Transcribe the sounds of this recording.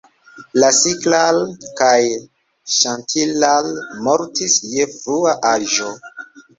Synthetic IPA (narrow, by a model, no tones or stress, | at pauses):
lasiklalkaj | ʃantʰilalmoɾtisjefɾuaʔaʒo